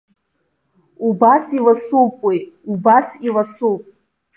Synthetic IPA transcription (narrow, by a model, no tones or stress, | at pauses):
ubasilasukʼejubasilasupʼ